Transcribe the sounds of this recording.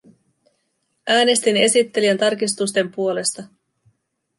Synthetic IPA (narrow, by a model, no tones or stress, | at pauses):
æːne̞st̪ine̞sit̪ːe̞liænt̪ɑrkist̪ust̪e̞mpuo̞le̞st̪ɑ